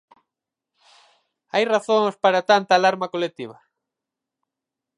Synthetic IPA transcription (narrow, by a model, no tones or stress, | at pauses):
ajraθoŋspaɾat̪ant̪aːlaɾmakolek̚t̪iβ̞ɐ